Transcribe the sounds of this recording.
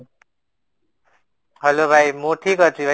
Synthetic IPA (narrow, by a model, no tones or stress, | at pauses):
hʌlobʱajmoʈʰikʌt͡sibʱa